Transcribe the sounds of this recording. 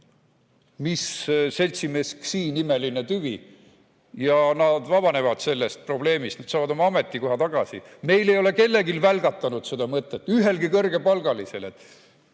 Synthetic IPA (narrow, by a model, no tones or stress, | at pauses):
misse̞lʲt̪sime̞sksiːnime̞line̞t̪yvi | jɑnɑd̪̥vɑbɑne̞vɑd̪̥se̞lːe̞st̪̚pro̞ble̞ːmist̪ned̪̥sɑːvɑd̪o̞mɑɑme̞t̪ˑːiko̞ɦɑt̪ɑɡ̥ɑsḭme̞jle̞jo̞le̞ke̞lːe̞ɡilvælɡ̥ɑt̪ːˑɑnud̪̥se̞d̪̥ɑmɤt̪ːˑet̪ːˑyɦe̞lɡikɤrɡ̥e̞pɑlɡ̥ɑlise̞let̪